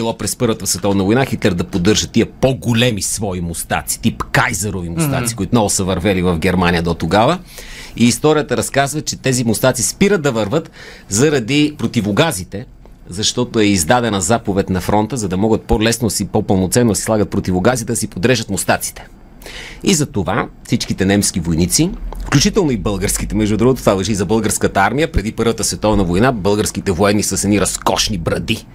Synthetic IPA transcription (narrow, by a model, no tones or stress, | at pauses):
ilˠopɾɛspɤɾvət̪əsvɛt̪ɔvnɐvojnaxit̪lɛɾd̪ɐpod̪ɤɾʒət̪ːiəpoɡolɛmisvɔimost̪a̰t̪si̥t̪ipkajzɐɾovimʊst̪a̰t̪si̥koit̪ʊnɔvʊsəvɐɾvɛlivɐvɡɛɾmanijəd̪ot̪oɡavə | iːst̪ɔɾijət̪əɾɐskazvɐt͡ʃɛt̪ɛzimost̪at̪sispiɾət̪̚d̪ɐvəɾvət̪ | zɐɾɐd̪ipɾot̪ivoɡazit̪ɛ | zɐʃt̪ɔt̪oɛizd̪ad̪ɛnɐzapovɛt̪nɐfɾɔnt̪əzɐd̪ɐmɔɡət̪̚polɛsnod̪ɐsipopəlˠnot̪sɛnːod̪ɐsi̥slˠaɡət̪̚pɾot̪ivoɡazit̪ɛd̪ɐsipod̪ɾɛʒət̪most̪at̪si̥t̪ɛ̥ | izɐt̪ovafsit͡ʃkit̪ɛnɛmskivojnit̪sifklʲut͡ʃit̪ɛlˠnoibɤlˠɡəɾskit̪ɛmɛʒd̪ud̪ɾuɡot̪ot̪valˠɐʒizɐbɤlˠɡəɾskət̪ɐaɾmijəpɾɛd̪ipɤɾvət̪əsvɛt̪ɔvnəvojnabɤlˠɡəɾsk̟it̪ɛvoɛnːisəsɛniɾɐskɔʃnibɾɐd̪i